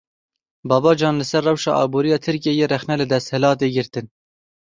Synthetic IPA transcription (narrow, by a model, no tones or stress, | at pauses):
bɑːbɑːd͡ʒɑːnlɨsɛrːɛwʃɑ̰ːʔɑ̰ːboːɾijɑːt̪ʰɨɾkeːjeːrɛxnɛlɨd̪ɛst̪hɪlɑːt̪̬eːɡɪɾt̪ɨn